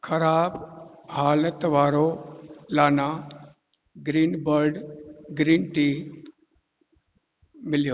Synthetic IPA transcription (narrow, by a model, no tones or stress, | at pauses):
kʰəɾaːbɦaːlət̪ʋaːɾolaːnãː | ɡɾiːnbəɾɖɡɾiːnʈiː | mɪljoː